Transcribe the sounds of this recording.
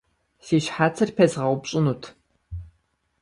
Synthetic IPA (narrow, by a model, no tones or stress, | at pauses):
siːɕħaːt͡sʰɐrpʰɐzʁɐwʷʊpɕʼɪnuːtʰ